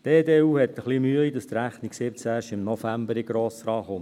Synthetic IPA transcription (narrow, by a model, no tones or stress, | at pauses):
teːdeːuːhɛt̪ːəχlimyəidɑst̪ɾæχniksɪpət͡sæːʃɪmnɔfæmbəɾɪɡ̥ɾoːsɾɑːχʊn